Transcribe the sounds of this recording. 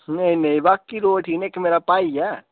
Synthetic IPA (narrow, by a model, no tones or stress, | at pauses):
nɐĩnɐĩbaːkːiɾoːʈʰinekmeːɾapaːiɛ